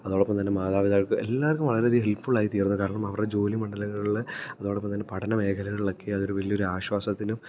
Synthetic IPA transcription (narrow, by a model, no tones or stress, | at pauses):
ɐðo̞ːɭopːɐmt̪ɐnːemaːðaːʋiðaːɣɐɭkɨelːaːrkːumʋɐɭɐɾeðiɦelpfoɭaːjit̪iːrnːɐkaːɾɐɳɐmɐʋɐrɖed͡ʑo̞ːlimɐɳɖɐlɐŋːɐɭiɭɐðo̞ːɭopːɐmt̪ɐnːe̞pɐʈʰɐnɐme̞ːkʰɐlɐŋːɐɭiɭo̞kːe̞ɐðo̞ɾuʋɐlio̞ɾuaːɕwaːsɐt̪ːinum